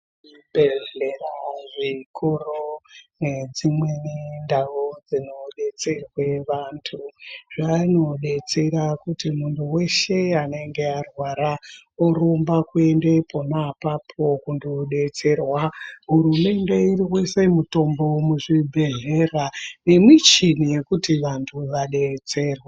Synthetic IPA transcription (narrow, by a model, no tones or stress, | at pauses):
beeraʐikoroned͡zimwenindaʋod͡zino̞ɗe̞t͡se̞rweʋantʰuʐaino̞ɗe̞t͡se̞ɾakutimunduwe̞ʃe̞ane̞ŋɡe̞arwaɾa | oɾombakue̞nde̞pʰo̞napapʰo̞kundoɗe̞t͡se̞rwaɦurume̞nde̞iɾiwese̞muto̞mbo̞muʐibʱe̞ɦerane̞mwit͡ʃinije̞kutiʋantʰuʋaɗe̞t͡se̞ːrwa